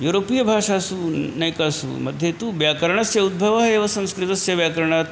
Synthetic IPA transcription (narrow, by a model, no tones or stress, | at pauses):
juɾopijɐbʱaːʂasunɐjkasṵmɐd̪ʱjet̪uːʋjakɐɾəɳ̃ɐsjɐud̪̚bʱɐʋaɦeʋɐsɐ̃w̃skɾit̪ɐsjɐʋjakɐɾəɳ̃at̪